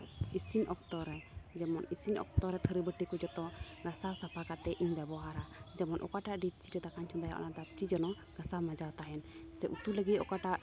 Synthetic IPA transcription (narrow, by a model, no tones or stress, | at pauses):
isiɲɔk̚t̪ɔɾɛd͡ʒɛmɔnisiɲɔ̰kt̪ɔɾɛt̪ʰəɾibəʈikud͡ʒɔt̪ɔ | ɡasasapʰakat̪ɛʔiɲbɛbɔɦaɾad͡ʒɛmɔnʔɔ̰kaʈaʔɖit̚t͡ʃiɾɛd̪akaɲt͡ʃʰud̪aja̰ʔɔ̰nad̪ap̚t͡ʃid͡ʒɔnɔ | ɡ̥asamad͡ʒawt̪aɦɛnsɛʔut̪uləɡit̪ɔ̰kaʈaʔ